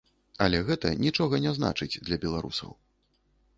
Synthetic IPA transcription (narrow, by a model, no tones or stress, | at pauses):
ɐlʲɛɣɛt̪ɐnʲit͡ʂɔɣɐnʲɛzna̰t͡ʂɨd͡zʲd̪lʲɐbʲɛlˠaɾṵsɐ̰w